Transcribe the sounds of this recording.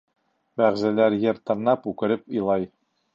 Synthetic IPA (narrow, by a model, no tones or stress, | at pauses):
bæʁzælæɾjɘ̆ɾt̪ɤ̆ɾnɑpʉkɘ̆ɾɘpɤ̆jlˠɑj